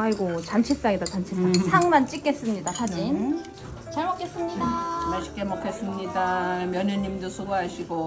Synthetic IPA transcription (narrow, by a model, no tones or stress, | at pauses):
aiɡot͡ɕant͡ɕʰis͈aŋidat͡ɕant͡ɕʰis͈asʰaŋmant͡ɕ͈ik͈e̞s͈ɯmɲidasʰad͡ʑin | t͡ɕaɭmok͈ʰe̞s͈ɯmɲidamaɭɕ͈ʰi̥k͈emokʰes͈ɯmɲidamjʌɲɯɲːimdosʰuɡuɦaɕʰiɡo